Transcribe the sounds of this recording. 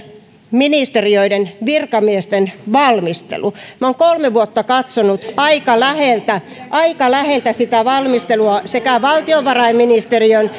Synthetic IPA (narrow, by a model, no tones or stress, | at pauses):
minist̪erioidenʋirkɑmiest̪enʋɑlmist̪ḛlumɑoŋkolmeʋuot̪ːɑkɑt̪sonut̪ɑikɑlæheˑlt̪æ | ʔɑikɑlæhelt̪æsit̪æʋɑlmist̪eluɑsekæʋɑlt̪ioʋʋɑrɑimːinist̪erion